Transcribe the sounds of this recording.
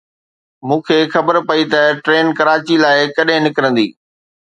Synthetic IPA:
mũːkʰeːxɐbəɾpɐit̪ɐʈɾeːnkɐɾaːt͡ɕilaːɪkɐɗɦɪ̃nɪkɾə̃nd̪ḭː

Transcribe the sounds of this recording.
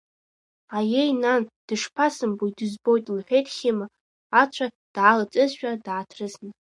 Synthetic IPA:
ajejnand̥ɨʂpʰasɨmbujdɨzbo̞jtʼlħʷᶣejtʼχʲɪma | at͡ʃʷʰa | d̥ʕalat͡sʼɨzʃᶣadʕatʰrɨznɨ

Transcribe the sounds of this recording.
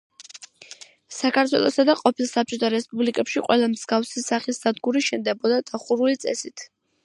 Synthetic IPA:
sakʰaɾt̪ʰwɛ̰lˠɔsad̪aqʼɔpʰilˠsap̚t͡ʃʼɔt̪ʰaɾɛspʼublikʼɛpʃiqʼwɛlˠamz̥ɡafsisaχisːad̪ɡuɾiʃɛnd̪ɛbɔd̪ad̪aχuɾulit̪sʼɛ̰sit̪ʰ

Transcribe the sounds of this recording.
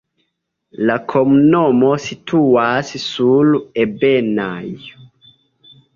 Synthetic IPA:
lakʰɔmnɔmositʰuassuluebɛna̰j

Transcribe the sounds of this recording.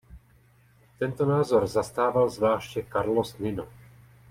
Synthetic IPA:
t̪ɛnt̪onaːzoɾzast̪aːvalzvlaːʃcɛkaɾlosnɪno

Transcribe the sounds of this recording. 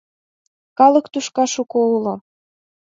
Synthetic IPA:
kɑlɤkt̪uʃkɑʃukoulo

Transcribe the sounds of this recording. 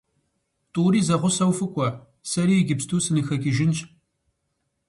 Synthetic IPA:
tʼuːɾiːzɐʁʷʊsɐwfɨkʷʼɔ | sɐɾiːɛɡʲɪpstʰuːsɨnɨxɐkʲɪʒɪnt͡ʃʼ

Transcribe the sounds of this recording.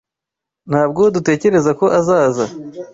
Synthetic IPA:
nhaːb̚ɡodute̞ːce̞ɾe̞zako̞ʔazaːza

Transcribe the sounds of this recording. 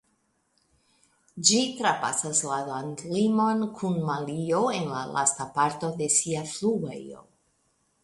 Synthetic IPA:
d͡ʒitɾapa̰saslalantlimo̞nkʰunmalioe̞nlalʔa̰stapaɾto̞de̞siafluɡḛo̰

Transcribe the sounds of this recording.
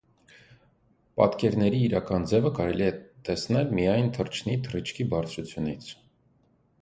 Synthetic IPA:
pɑ̰t̪kɛɾnɛɾiːɾɑkɑnd͡zɛvəkɑɾɛliɛt̪ɛsnɛlmijɑjnt̪ʰərt͡ʃʰnit̪ʰəɾət͡ʃʰkʰibɑɾt͡sʰɾut͡sʰjunit͡sʰ

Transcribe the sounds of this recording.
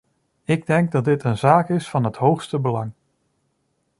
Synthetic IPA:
ɪɡ̚dɛŋɡ̚dɑt̚dɪtənzaːkɪsfɑnɦətɦowxstəbəlɑŋ

